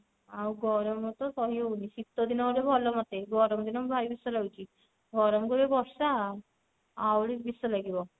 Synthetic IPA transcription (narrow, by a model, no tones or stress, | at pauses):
awɡɔɾɔmɔt̪ɔkɔɦionisit̪ːɔd̪inawɽebʱɔlɔmat̪eɡɔɾɔmd̪inɔmbʱajbisɔlawt͡ʃi | ɡɔɾɔmɡuɾebɔssa | awɽikbisɔlaɡibɔ